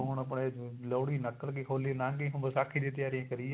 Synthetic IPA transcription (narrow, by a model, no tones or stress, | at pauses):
ʊɳəpɽeloːɽiːnəkːəlkiːkʰoːliːnãːkĩːɦʊ̃bəsaːkʰiːd̪ĩːt̪ɪjaːɾijãːkəɾiː